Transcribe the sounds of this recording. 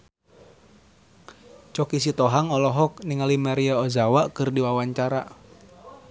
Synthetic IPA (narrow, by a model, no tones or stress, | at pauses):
t͡ʃɔkis̬it̪ɔɦaŋɔlɔɦɔkniŋalimaɾiaɔzawakɨrdiwawaɲt͡ʃaɾa̰